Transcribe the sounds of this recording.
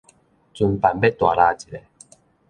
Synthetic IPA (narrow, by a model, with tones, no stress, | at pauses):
t͡su˧npa˨˩nbe˦t̪wa˨la˧t͡ɕi˨˩le˧˩